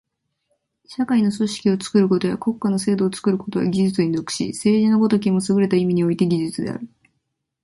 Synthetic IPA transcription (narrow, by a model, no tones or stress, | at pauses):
ɕakaino̞so̞ɕi̥kʲio̞t͡sɨ̥kɯ̟ɾɯ̟ko̞t̪o̞jako̞kːano̞se̞ːd̪o̞ːt͡sɨ̥kɯɾɯ̟ko̞t̪o̞βa̰ɡʲiʑɨt͡sɨind̪o̞kɯ̟̥ɕḭse̞ːʑinoɡo̞t̪o̞k̬ʲimosɨɡɯ̟ɾe̞t̪aimʲiɲ̟io̞it̪e̞ɡʲiʑɨt͡sɨd̪e̞̰a̰ɾɯ̟